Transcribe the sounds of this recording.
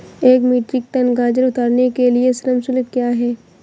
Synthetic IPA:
eːkmiːʈɾɪk̚t̪ənɡãːd͡ʒəɾʊt̪aːɾnekeliesɾəmsʊlɪt̪̚kjaːɦɛː

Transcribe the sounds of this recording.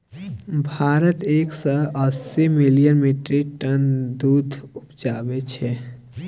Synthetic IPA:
bʱaːɾət̪eːksəəsːimilijənmiʈɾiʈənd̪ud̪ʱʊpd͡ʒaːbet͡ʃʰɛ

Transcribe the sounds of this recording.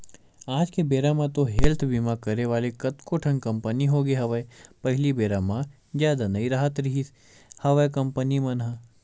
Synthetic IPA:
aːd͡ʒkebeːɾamãt̪oɦelt̪ʰbimakɐɾeʋaːlekɐt̪koʈʰɐ̃ŋkɐ̃mpəniɦoɡeɦɐʋəpɐɦlibeːɾaːmã | zjaːd̪anɐiɾaːɦət̪ɾɐɦis | hɐʋəjkɐ̃mpənimɐnɦa

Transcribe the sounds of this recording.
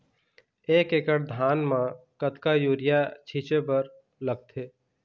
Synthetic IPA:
eːkekəɽd̪ʱaːnmãkət̪kajuːɾɪjat͡ʃʰit͡ʃebəɾ | ləɡ̚t̪ʰeː

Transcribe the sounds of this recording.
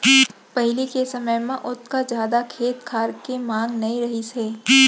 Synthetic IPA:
pɐɦɪlikesɐməjmẽʔʊt̪kad͡ʒjaːd̪akʰeːt̪kʰaːɾkemãːŋɡnɐĩɾɐɦiseː

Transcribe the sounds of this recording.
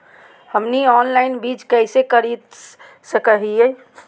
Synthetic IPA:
həmniɔːnlaɪnbid͡ʒkɛɪsekəɾit̪ | səkəɦie

